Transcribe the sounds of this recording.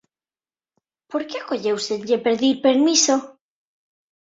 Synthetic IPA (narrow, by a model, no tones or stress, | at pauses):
poɾkeakoʎewst̪ed̪ʎepeɾðiɾpeɾmiso